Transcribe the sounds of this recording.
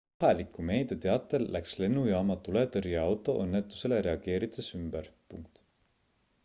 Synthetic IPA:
ɑlikːˑume̞ːd̪̥et̪e̞ɑt̪ːˑelːʔæksle̞nːujɑːmɑt̪ulet̪ɤɾjeɑwt̪ːˑo̞̰ʔɤnːe̞t̪ːˑu̥se̞le̞ɾe̞ɑɡ̥e̞ːɾit̪sesymb̥eɾpṵŋk̚t̪

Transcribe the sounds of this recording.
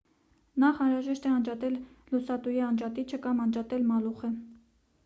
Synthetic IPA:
nɑχɑnɾɑʒɛʃt̪ɛɑnd͡ʒɑt̪ɛllusɑt̪ujiɑnd͡ʒɑt̪it͡ʃʰəkɑmɑnd͡ʒɑt̪ɛlmɑluχə

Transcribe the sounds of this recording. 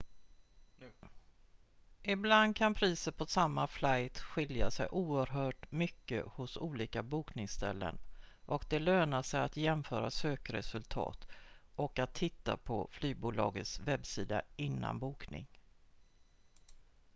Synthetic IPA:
ɪbland̪̚kʰanpʰɾiːsəɾpʰɔsamːaflajt̪ɧɪljasɛjʔuːəɾɦœːʈmʏkːə̰hʊsuːliːkabuːknɪŋst̪ɛ̰lːə̰nʔɔkd̪ɛløːnaʂɛjat̪jɛmfœːɾasøːkɾɛ̰sɵlt̪ʰɑ̰ːt̪ʔɔkat̪ʰːɪt̪ːa̰pʰɔflyːbuːlɑ̰ːɡət̪svɛbsiːd̪a̰ɪnːa̰nbuːknɪ̰ŋ

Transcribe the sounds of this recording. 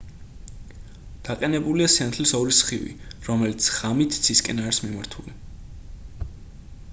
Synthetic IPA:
d̪̥aqʼɛnɛbuliasant̪ʰlisɔɾisχivḭɾɔmɛlit̪sʰʁ̥amit̪ʰsʰiskʼɛnaɾismimaɾt̪ʰuli

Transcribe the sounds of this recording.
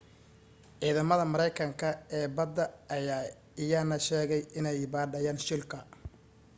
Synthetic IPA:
ʕiːðɐmɐðɐmɐɾɛjkʰɐŋkʰɐɛːbɐd̪ːɐɐjaː | ɪjaːnɐʃɛːɣɛjɪnɛjbaːdɐjaːnʃɪlkʰɐ

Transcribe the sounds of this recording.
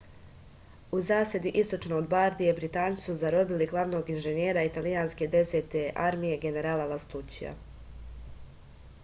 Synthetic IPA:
uzaːsjed̪iʔist̪o̞t͡ʃnoːd̪baɾd̪ijebɾit̪aːni̥suzaɾo̞biliɡlˠaʋno̞ɡinʒenjeːɾait̪alijaːnske̞d̪e̞set̪eʔaɾmije̞ɡe̞ne̞ɾaːlˠalast̪ut͡ɕija̰

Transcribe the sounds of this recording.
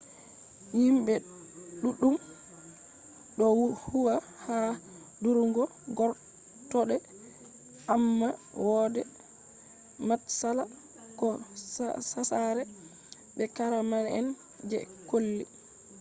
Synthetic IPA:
himbɛ | ɗuɗum | ɗɔwhuwa | ha | duɾŋɡɔ | ɡɔɾ | tɔɗɛ | amːa | wɔdɛ | matsala | kɔ | sasaɾɛ | bɛkaɾamanɛ̰n | d͡ʒɛ̰kolːi

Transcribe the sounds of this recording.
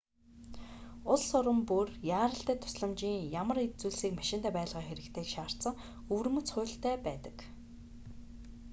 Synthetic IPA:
ʊɮsʊɾə̆mpurjaːɾə̆ɬt̪æːt̪ʰʊ̥sɮə̆mt͡ɕiːŋjamə̆ret͡suːɮsiːkmaʃɪ̆nt̪æːpæːɮʁiːxeɾɘ̆kt̪ʰeːkʃaːr̥t̪t͡sə̆ŋ | ɵwrmɵ̆t͡sχʊ̟ːɬt̪æːpæːt̪ə̥̆k

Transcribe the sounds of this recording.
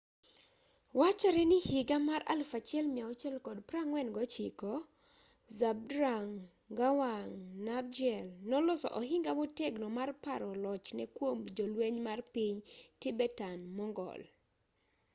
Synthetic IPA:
wat͡ʃaɾɛnɪhiɡamaɾa̰lfat͡ʃɛlmiaɔt͡ʃɛlkɔdpɾaŋwɛnɡɔt͡ʃikɔ | zab̚dɾaŋ | ɡawaŋnab̚d͡ʒɛlnɔlɔsɔ̰ʔɔɦɪŋɡamɔtɛɡnɔmarpaɾɔlɔt͡ʃnɛkwomd͡ʒɔlweɲmarpiɲtibɛtanmɔŋɡɔ̰l

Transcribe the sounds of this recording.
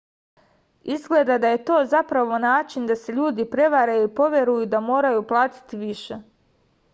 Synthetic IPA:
izɡle̞d̪ad̪aje̞t̪o̞ːzapɾaʋo̞naːt͡ʃind̪ase̞ʎuːd̪ipɾe̞ʋaɾajuipo̞ʋje̞ɾujud̪amo̞ːɾajuplˠaːt̪i̥t̪iʋiʃe̞

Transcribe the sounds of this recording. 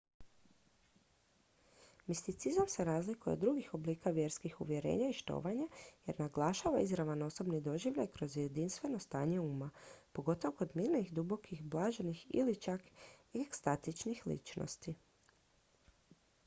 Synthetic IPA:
mist̪it̪sizamse̞ɾaːzlikujed̪ːɾuɡixo̞bliːkaʋje̞ɾskixuʋje̞ɾe̞̰ːɲaiʃt̪o̞̰ːʋaɲajeɾnaɡlˠaːʃaʋaizɾaʋano̞so̞bnid̪o̞ʒiʋʎajkɾo̞zje̞d̪inst̪ʋe̞no̞st̪aːɲeuːmapo̞ɡo̞t̪oʋoko̞d̪miːɾnixd̪ubo̞kʰixblˠaːʒenixḭlit͡ʃakekst̪at̪it͡ʃnixlḭt͡ʃno̰st̪i

